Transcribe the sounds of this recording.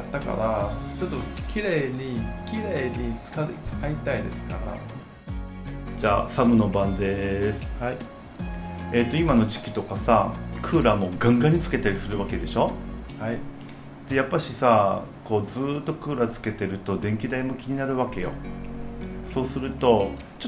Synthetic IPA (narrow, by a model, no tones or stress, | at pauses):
at̪ːaka̰ɾat͡ɕot̪ːokʲiɾe̞ːɲikʲiɾeːɲi̥t͡sɨ̥kait̪aid̪e̞̰sɨ̥kaɾa̰ | d͡ʑa̰ːsamɯ̟no̞bãnd̪e̞sɨ̥hai | e̞t̪ːoimano̞ʑi̥kʲi̥t̪o̞kasakʰɯ̟ːɾamo̞ɡãŋɡaɲ̟it͡sɨ̥ke̞t̪aɾʲisɨɾɯ̟βake̞d̪e̞ɕo̞hai | d̪̥e̞japːaɕisa | ko̞ːd͡zɨːt̪ːo̞kɯ̟ːɾat͡sɨ̥ke̞t̪e̞ɾɯ̟t̪o̞d̪ẽ̞ŋkʲid̪aimo̞kʲiɲ̟inaɾɯ̟βake̞jo̞̰ | so̞ːsɨɾɯ̟t̪o̞ | t͡ɕo